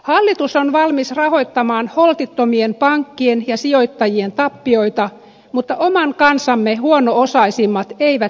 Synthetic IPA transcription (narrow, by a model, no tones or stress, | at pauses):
hɑlːit̪usonʋɑlmisrɑɦo̞jt̪ːɑmɑːnholt̪it̪ːomiempɑŋkːienjɑsio̞jt̪ːɑjie̞nt̪ɑpːio̞jt̪ɑ | mut̪ːɑʔomɑŋkɑnsɑmːehuonoosɑisimːɑt̪eiʋæ